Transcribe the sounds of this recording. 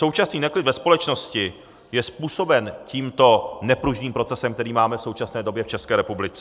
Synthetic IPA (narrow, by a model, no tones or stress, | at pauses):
sowt͡ʃasniːnɛklɪdvɛspo̞lɛt͡ʃno̞scɪ | jɛspuːso̞bɛnciːmt̪o̞nɛpɾuʒniːmpɾo̞t͡sɛsɛmkt̪ɛɾiːmaːmɛfso̞wt͡ʃasnɛːdo̞bjɛft͡ʃɛskɛːɾɛpublɪt͡sɛ